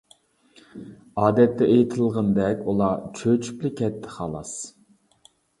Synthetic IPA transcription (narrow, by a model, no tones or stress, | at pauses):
ɑːd̪ɛt̪ːɛʔejt̪ʰɨlˠʁənd̪ɛkʲulˠɑt͡ʃʰøt͡ʃʰy̥plɪkʲɛt̪ʰːɪ̥χɑːlˠɑ̰s